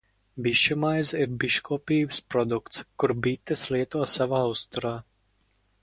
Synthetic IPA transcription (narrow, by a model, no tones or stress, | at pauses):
biʃumajsiɾbiʃkuɔpʲiːbspɾɔd̪ukt̪skuɾbit̪ːɛsliɛt̪uɔsavaːwst̪uɾaː